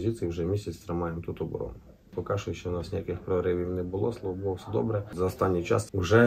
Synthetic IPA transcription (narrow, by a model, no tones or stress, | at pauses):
zʲit̪sɨjiwʒɛmʲisʲɐt͡sʲt̪ɾɪmɑjemt̪ut̪ɔbɔ̰ɾɔ̰nʊ | pɔkɑʒʊjʃt͡ʃɔnɑsnʲɪjakɪxpɾɔɾɪʋʲiwnɛbʊlˠɔslˠɔʋɔbʊlˠɔwsɛd̪ɔ̰bɾɛzɐɔst̪ɑnʲːijt͡ʃɑ̰swʒɛ